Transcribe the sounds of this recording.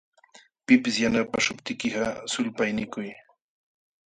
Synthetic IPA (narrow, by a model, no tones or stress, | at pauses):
pɪpɪsjanapaʃʊpt̪ɪkɪɢɑsʊlpajnɪkʊj